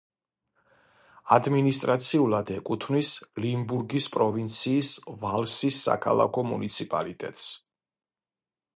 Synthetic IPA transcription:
ad̪minist̪ʼɾat̪sʰiulˠad̪ɛkʼut̪ʰvnislimbuɾɡispʼɾɔvint̪sʰiːsvalˠsisːa̰kʰa̰lˠa̰kʰɔmṵnit̪sʰipʼa̰lit̪ʼɛ̰t̪ʼs

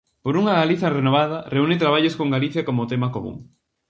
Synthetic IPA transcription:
poɾuŋɐɣaliθɐrenoβ̞aðɐreunɪt̪ɾaβ̞aʎoskoŋɡaliθjakomot̪emakomṵ̃ŋ

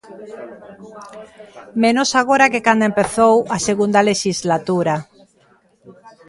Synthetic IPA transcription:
mẽnosaɣoɾakekand̪oempeθowaseɣund̪aleʃizlat̪uɾa

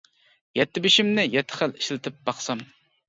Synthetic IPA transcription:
jɛt̪ʰːɪbɪʃɪmnɪjɛt̪ʰːɪ̥χæli̥ʃlɪt̪ʰɪp̚bɑχsɑm

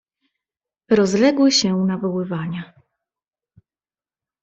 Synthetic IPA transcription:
ɾɔzlɛɡwɘɕɛnavɔwɘvaɲa

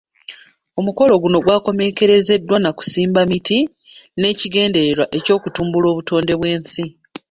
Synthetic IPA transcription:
o̞muko̞lo̞ɡuno̞ɡwaːko̞me̞ke̞ɾe̞ze̞dːwanaku̥siːmbamiti | ne̞ːciɡe̞ːnde̞ɾeɾwaʔe̞co̞ːkutuːmbulo̞ːβuto̞ːnde̞βwe̞ːnsi

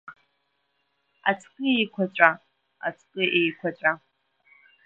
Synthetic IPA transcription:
a̰t͡sʰqʼɨejkʷʰat͡ʃʷʼa | a̰t͡sʰqʼɨʔejkʷʰat͡ʃʷʼa

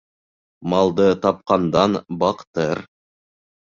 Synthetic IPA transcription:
mɑlˠd̪ɤt̪ɑp̚qɑnd̪ɑnbɑqt̪ɤɾ

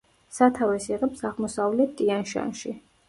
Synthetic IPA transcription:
sat̪ʰavɛsiʁɛpsaʁmɔsavlɛt̪̚ʰt̪ʼianʃa̰nʃi

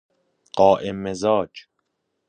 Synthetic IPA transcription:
ɢ̥ɒːʔemːezɒːd͡ʒ

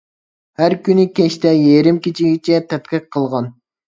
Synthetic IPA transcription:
hæɾkʲynɪkʲeʃt̪ɛjeɾɪmkʲit͡ʃʰiɡʲit͡ʃʰɛt̪ʰɛt̪̚kʲɛk̚ʲqʰəlˠʁɑn

